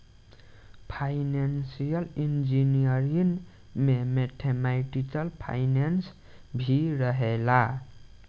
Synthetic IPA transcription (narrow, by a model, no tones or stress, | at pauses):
pʰajnansijʌlind͡ʒinijʌɾin | memeʈʰemajʈikʌlpʰa̰jnens | bʱiɾʌɦela